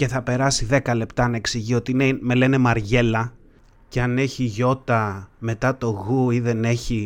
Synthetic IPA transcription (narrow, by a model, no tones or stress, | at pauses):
ce̞θɐpe̞ɾɐsiðe̞kɐle̞pt̪ɐnɐe̞ksiʝio̞t̪ineme̞le̞ne̞mɐɾʝe̞lɐ | ceɐne̞çiʝo̞t̪ɐme̞t̪ɐt̪o̞ɣuiðe̞ne̞çi